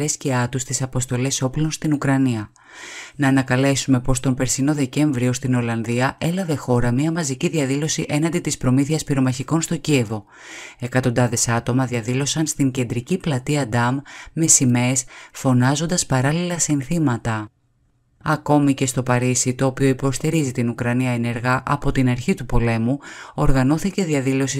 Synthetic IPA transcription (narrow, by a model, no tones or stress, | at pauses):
esceɐt̪ust̪isɐpo̞st̪o̞le̞so̞plo̞nst̪inukɾɐniɐ | nɐːnɐkɐle̞sume̞po̞st̪o̞mpe̞ɾsino̞ðe̞ce̞ɱvɾio̞st̪ino̞lɐnðiɐʔe̞lɐve̞xo̞ɾɐmiɐmɐziciðiɐðilo̞siʔe̞nɐnd̪it̪ispɾo̞miθiɐspiɾo̞mɐçiko̞nst̪o̞cie̞vo̞ | e̞kɐt̪o̞nd̪ɐðe̞sɐt̪o̞mɐðiɐðilo̞sɐnst̪iɲce̞nd̪ɾiciplɐt̪iɐd̪ɐmːe̞sime̞sfo̞nɐzo̞nd̪ɐspɐɾɐlilɐsinθimɐt̪ɐ | ɐko̞mice̞st̪o̞pɐɾisit̪o̞ːpio̞ipo̞st̪iɾizit̪inukɾɐniɐene̞ɾɣɐʔɐpo̞t̪inɐɾçit̪upo̞le̞muo̞ɾɣɐno̞θice̞ðiɐðilo̞si